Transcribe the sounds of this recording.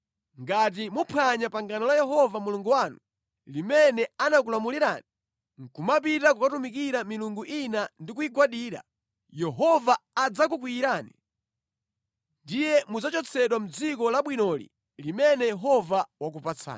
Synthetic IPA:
ŋɡat̬imupʰaɲapaŋɡanɔlajɛɦɔvamuluŋɡuwanu | limɛnɛanak̬ulamuliɾa̰ːni | ŋ̩kumap̬itakukatumik̬iɾamiluŋɡuʔinandik̬uiɡwaɗiːɾa̰ | jɛɦɔvaːd͡zak̬ukwiːɾaːnḭ | ndijɛmud͡zat͡ʃɔt͡sʰɛɗwam̩d͡zikɔlaɓwinɔlḭ | limɛnɛjɛɦɔvawak̬upat͡sʰa̰ːn

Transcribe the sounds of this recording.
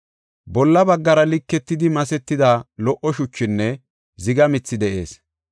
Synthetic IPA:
bɔlːɐbɐɡːɐɾɐlɪkːɛt̪ːɪd̪ɪmɐsɛt̪ːɪd̪ɐlɔʔɔʃʊt͡ʃːɪnːɛ | zɪɡɐmɪt͡sːɪd̪ɛʔe̞ːs

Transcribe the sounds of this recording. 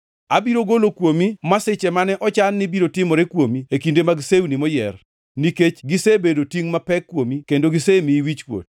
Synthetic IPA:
abiɾoɡolokwomimaset͡ʃɛmanɛʔɔt͡ʃanːɪbiɾotɪmɔɾekwomiekindemaɡsewunimɔjɛr | niket͡ʃɡisebedotiŋmapɛkːwomikendoɡisemiwit͡ʃkwo̰t̚

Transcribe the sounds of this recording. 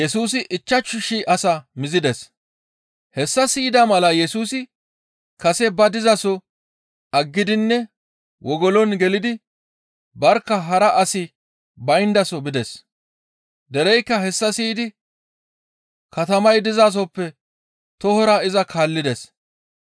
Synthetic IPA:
jɛsuːs̬ɪʔɪt͡ʃːɐt͡ʃːʊʃiʔɐsɐmɪzɪd̪ɛs | hɛsːɐsiːd̪ɐmɐlɐjɛsuːsɪ | kɐsɛbɐd̪ɪzɐsɔ | ɐɡːɪd̪ɪnːɛ | wɔɡɔlɔnɡɛlɪd̪ɪ | bɐɾkːɐɦɐɾɐʔɐsɪ | bɐjnd̪ɐsɔbɪd̪ɛs | d̪ɛɾɛjkːɐɦɛsːɐsiːd̪ɪ | kɐt̪ɐmɐjd̪ɪzaːs̬ɔpːɛ | t̪ɔhɔɾaːɪzɐkʰaːlːɪd̪ɛs

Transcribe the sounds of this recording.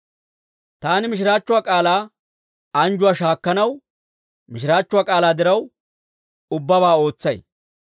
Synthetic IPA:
t̪aːnɪmɪʃ̬ɪɾaːt͡ʃːʊwaːkʼaːlaː | ɐnd͡ʒʊwaːʃaːkːɐnɐw | mɪʃ̬ɪɾaːt͡ʃːʊaːkʼaːlaːd̪ɪɾɐw | ʊbːɐβaːo̞ːt͡sːɐj

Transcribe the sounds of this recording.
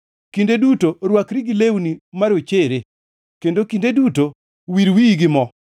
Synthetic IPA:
kindedutoɾwakɾiɡɪlewnimaɾot͡ʃeɾe | kendokindeduto | wiɾwiɡɪmɔ

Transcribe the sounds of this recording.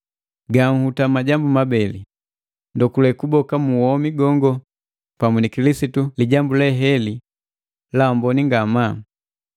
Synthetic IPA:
ɡaŋ̩hutamaɟambumabɛli | ndɔkulɛkubɔkamuwɔmiɡɔŋɡɔ | pamunikilisituliɟambulɛɦɛli | laɔmbɔniŋɡama

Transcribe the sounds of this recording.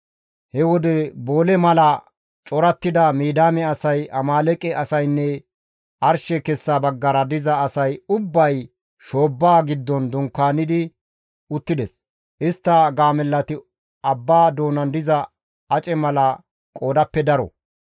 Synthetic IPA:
hɛwɔd̪ɛbo̞ːlɛmɐlɐ | t͡ʃʼɔɾɐt̪ːɪd̪ɐmiːd̪aːmɛɐsɐjʔɐmaːlɛkʼɛʔɐsɐjnːɛ | ʔɐɾʃɛkɛsːaːbɐɡːɐɾɐd̪ɪzɐːsɐjʊbːɐj | ʃo̞ːbːaːɡɪd̪ːɔnd̪ʊŋkːaːnɪd̪ɪ | ʊt̪ːɪd̪ɛs | ʔɪst̪ːɐɡaːmɛlːɐt̪ɪ | ɐbːaːd̪o̞ːnɐnd̪ɪzɐ | ɐt͡ʃʼɛmɐlɐ | kʼo̞ːd̪ɐpːɛd̪ɐɾɔ̰

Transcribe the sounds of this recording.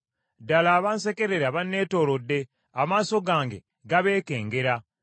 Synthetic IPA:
dalaːβaːnse̞ke̞ɾeɾaβanːe̞ːto̞ːɾodːe̞ | amaːso̞ɡaːŋɡḛ | ɡaβe̞ːke̞ːŋɡe̞ɾa

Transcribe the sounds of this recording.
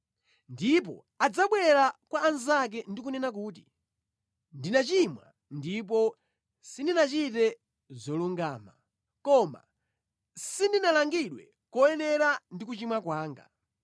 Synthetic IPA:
ndip̬ɔ̰ | ad͡zaɓwɛɾakwaːnzak̬ɛndik̬unɛnak̬uːt̬i̥ | ndinat͡ʃimwa̰ | ndip̬ɔ | sindinat͡ʃitɛ | zɔluŋɡaːma | kɔma̰ | sindinalaŋɡiɗwɛ̰ | kɔɛnɛɾandik̬ut͡ʃimwakwaːŋɡa̰

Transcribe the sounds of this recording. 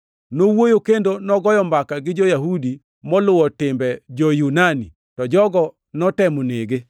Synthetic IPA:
nowojokendonɔɡɔjɔmbakaɡɪd͡ʒojaɦudi | mɔlʊwɔtɪmbɛd͡ʒɔjunani | tɔd͡ʒɔɡɔ | nɔtɛmoneɡɪ

